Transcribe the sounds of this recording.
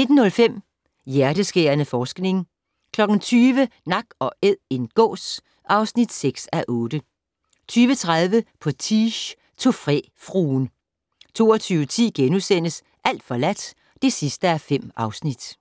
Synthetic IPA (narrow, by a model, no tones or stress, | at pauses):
ne̝d̥n̩ːɔ̽lfem̰ | jæɐɾ̥əsɡ̥eɐnəfɒːsɡ̥ne̝ŋ | kʰlɒ̽ɡ̥n̩t͡sʰyːʋənɑ̈ɡ̥ɒ̽ʔeð̰ˠe̝nɡ̥ɔ̰̽ːs | ʔɑ̈ʊsnid̥seɡ̥sæʔɔ̽ːd̥ə | t͡sʰyːʋət͡sʰʁað̞ˠʋəpʰɒ̽t͡sʰiɕ | t͡sʰo̝fʁɛ̰ːfʁuːn | t͡sʰo̝̰ːɒt͡sʰyːʊət͡sʰḭːɡ̥enusen̰əs | ʔæl̰d̥fɒ̽læd̥ | d̥e̝sisd̥əæfem̰ɑ̈ʊsnid̥